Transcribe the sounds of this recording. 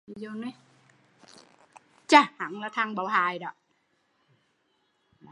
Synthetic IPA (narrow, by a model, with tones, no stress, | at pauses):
i˧zo˧nɔ˨˦j | t͡ɕaː˧˩ha̰˧˩˦ŋlaː˨˩t̪ʰa˧ŋɓə˨˩˦whaː˨˩jɗɔ̰˧˨˦